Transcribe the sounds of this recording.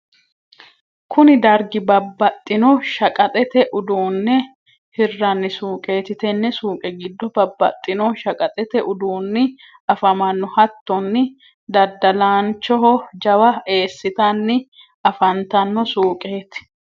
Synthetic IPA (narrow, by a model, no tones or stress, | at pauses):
kʰʊnɪd̪ɐɾɡɪbɐbːɐt̪ʼːɪnɔʃɐkʼɐt̪ʼɛt̪ɛʔʊd̪uːnːɛ | hɪrːɐnːɪsuːkʼe̞ːt̪ɪt̪ɛnːɛsuːkʼɛɡɪd̪ːɔbɐbːɐt̪ʼːɪnɔʃɐkʼɐt̪ʼɛt̪ɛʔʊd̪uːnːɪ | ɐfɐmɐnːɔhɐt̪ːɔnːɪ | d̪ɐd̪ːɐlaːnt͡ʃːɔɦɔd͡ʒɐwɐe̞ːsːɪt̪ɐnːɪ | ɐfɐnt̪ɐnːɔsuːkʼeːt̪ɪ̥